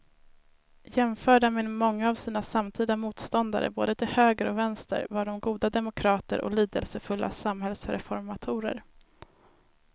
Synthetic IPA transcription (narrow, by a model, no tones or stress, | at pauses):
jɛmfœːɖamɛnmɔŋːaːvsiːnasamt̪ʰiːd̪amuːt̪st̪ɔnd̪a̰ɾə̰bo̰ːd̪ət̪ʰɪlhøːɡəɾɔvɛnst̪ə̰ɾvaɖɔmɡuːd̪ad̪ɛmʊkʰɾɑːt̪ə̰ɾʔɔ̰liːd̪əlsəfɵlːʔa̰samhɛlsɾɛ̰fɔɾmat̪ʰuːɾə̰ɾ